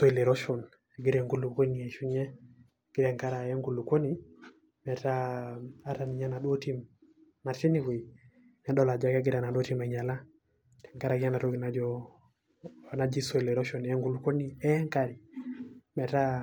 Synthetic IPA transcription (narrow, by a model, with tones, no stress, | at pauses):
so˦i˨le˨ɾɔ˦ʃɔ˨n | e˨ɡi˦ɾɛ˨ŋɡu˦lu˨ko˦ni˨ɛ˨ʃu˦ɲɛ˦˨ | ɡ̥i˦ɾɛ˨ŋka˦ɾa˨ɛ˦ŋɡu˦˨lu˨ko˦ni˦ | mɛ˨ta˦a˦ɾa˨ni˨ɲa˦na˨ɗo˦ti˦m | na˨ti˦ni˦wi˨ | na˨dɔ˦la˨d͡ʒa˦kɛ˦ɡi˦ɾa˨na˨ɗɔ˦ti˦ma˨ɲa˨la˦ | tɛ̥˨ŋka˦ɾa˨ɡi˦ɲa˦na˨ɾo˦ɡi˨na˨d͡ʒɔ˦˨ | na˦d͡ʒi˦so˦i˨le˨ɾɔ˦ʃɔ˨n˨ɛ˦ŋɡu˦lu˨ko˦niɛ˦ŋka˦ɾi˨ | mɛ˨ta˦